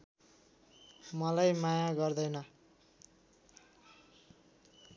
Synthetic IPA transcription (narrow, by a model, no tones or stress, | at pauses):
mʌlajmajaɡʌrd̪ʌjnʌ